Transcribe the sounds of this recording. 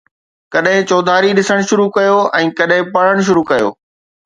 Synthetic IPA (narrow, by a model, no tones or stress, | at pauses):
kɐɗɦɪ̃t͡ɕoːd̪ʱaːɾiɗɪsəɽ̃ʃʊɾukɐjoɛ̃ːkɐɗɦɪ̃pɐɽ̤əɽ̃ʃ̬ʊɾukɐjo̰ː